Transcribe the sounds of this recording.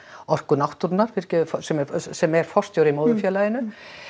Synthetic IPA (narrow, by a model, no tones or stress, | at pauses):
ɔr̥kʏnawht̪uɾnaɾ̥fɪɾ̥cɛðʏfsɛmɛsɛmɛɾ̥fɔr̥st̪joːwɾimoːwðʏfjɛːlajɪnʏ